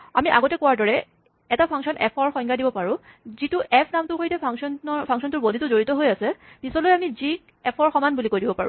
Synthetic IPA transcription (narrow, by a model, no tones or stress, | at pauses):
amiʔa̰ɡɔtɛkʊwaɹdɔɹɛ | ɛtapʰaŋksɔnʔɛpʰɔɹxɔŋɡʰadibɔpaɹʊ̃ | zitʊʔɛpʰnamtʊkojtɛpʰaŋsɔnɔpʰaŋksɔntʊɹbodʱitʊzoɹitɔɦojasɛb̥isɔlojamizi | ɛpʰɔɹxɔmanbulikojdibɔpa̰ɹʊ̰